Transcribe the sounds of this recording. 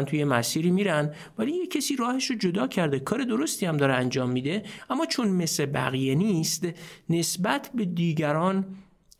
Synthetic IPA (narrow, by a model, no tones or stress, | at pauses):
nt̪ʰuje̞mæsiːɾiːmiːɾæn | væliːjecʰːesiːɾɒːhe̞ʃod͡ʒod̪ɒːcʰæɾd̪e̞kʰɒːɾe̞d̪o̞ɾo̞st̪iːæmd̪ɒːɾeænd͡ʒɒːmːiːd̪e̞ʔæmːɒːt͡ʃʰonme̞sebæ̰ɣije̞niːst̪ne̞sbæt̪ʰbe̞d̪iːɟæɾɒːn